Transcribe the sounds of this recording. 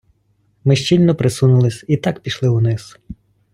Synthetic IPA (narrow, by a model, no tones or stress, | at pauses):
mɪʃt͡ʃilʲnɔpɾesunʊlˠɪsʲit̪ɑkpʲiʃlˠɪunɪz̥